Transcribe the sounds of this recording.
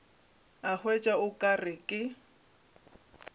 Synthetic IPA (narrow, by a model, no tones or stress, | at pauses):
aχwɛt͡ʃʼaʊkʼarɪkʼɪ